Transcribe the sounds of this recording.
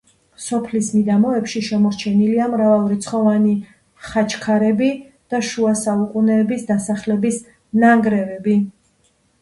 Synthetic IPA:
sɔpʰlismid̪amɔɛpʃiʃɛmɔɾt͡ʃʰɛniliamɾavalˠɾit̪sʰχɔvani | χat͡ʃʰkʰaɾɛbi | d̪̥aʃuasaukʼunɛːbisd̪asaχlɛbis | naŋɡɾɛvɛbi

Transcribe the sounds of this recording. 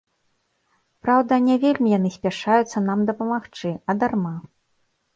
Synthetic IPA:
pɾawd̪ɐnʲɛvʲelʲmʲijanɨsʲpʲaʂajut̪sːɐnamd̪ɐpɐmaxt͡ʂɨɐd̪arma

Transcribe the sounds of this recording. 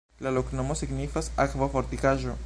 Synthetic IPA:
laloknomosiɡnifasakvafoɾt̪ikaʒo

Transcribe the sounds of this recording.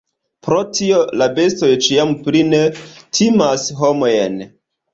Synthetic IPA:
pɾotʰiolabe̞stojt͡ʃiampɾinetʰimasɦomojḛn

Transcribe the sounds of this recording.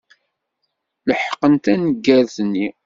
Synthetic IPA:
ləħqːənt̪ænəɡːæɾθnːi

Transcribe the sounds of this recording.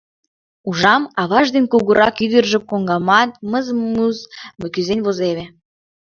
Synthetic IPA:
uʒɑmɑβɑʒd̪enʲkuɣuɾʔɑkyd̪ə̆rʒə̆koŋɡɑmɑt̪̚məzmuzməkyzenʲβozeβe

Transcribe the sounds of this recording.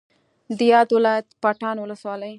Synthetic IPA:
d̪əjɑd̪wɪlɑjat̪pɑʈɑnwʊləswɑləj

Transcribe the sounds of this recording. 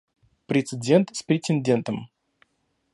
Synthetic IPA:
pɾʲɪt̪sɨdʲe̞nt̪spɾʲɪtʲɪnʲdʲe̞nt̪əm

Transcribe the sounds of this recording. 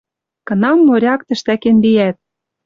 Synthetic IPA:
kɤ̆nɑmːoɾʲɑkt̪ə̆ʃt̪ækenlijæt̪̚

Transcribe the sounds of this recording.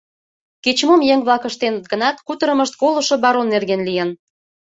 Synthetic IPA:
ket͡ɕmomjeŋβlɑkə̆ʃt̪enə̆t̪̚ɡənɑt̪kut̪əɾə̆mə̆ʃt̪̚kolŏʃŏbɑɾonːerɣenlijen

